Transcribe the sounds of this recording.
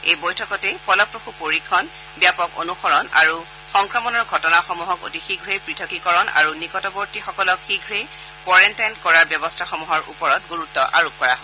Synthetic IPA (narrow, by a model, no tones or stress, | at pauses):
ejbɔjtʰɔkɔtɛpɔlɔpɹoxupoɹikʰːɔn | bjapɔko̰nuxɔɹɔna̰ɹu | xɔŋkɹɔmɔnɔɹɡʱɔtɔnaxɔmuɦɔko̰tixiɡʱɹepɹitʰɔkikɔɹɔna̰ɹunikɔtɔboɹtixɔkɔlɔkxiɡʱɹe | kɔɹɛntajnkɔɹaɹbjɔbɔstʰaxɔmuɦɔɹʔṵpɔɹɔtɡoɹutːɔʔa̰ɹup̚kɔɹaɦɔ